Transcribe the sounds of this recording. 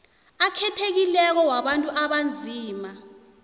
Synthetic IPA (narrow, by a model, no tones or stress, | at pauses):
akʰɛtʰek̬ilɛk̬ɔwaɓantʼuʔaɓand͡zʱiːma